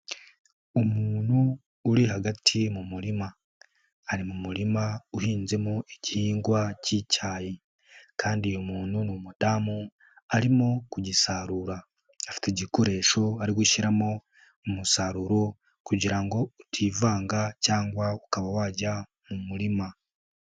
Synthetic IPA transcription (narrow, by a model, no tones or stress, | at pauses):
omuːnhuː | ɾiɦaɡatʰimumuɾimaː | ɾimumuɾimauhiːnze̞moeɟihiːŋɡwacicʰaːji | kʰaːndiojomuːnhunumudamu | aɾimokuɟisaɾuɾaː | fi̥teɟiko̞ɾe̞ʃo̞aɾiɡuʃiɾamo̞ː | musaɾuɾo | kuɟiɾaŋɡo̞utʰiːvaːŋɡacaːŋɡwaukaβawaːɟa | mumuɾima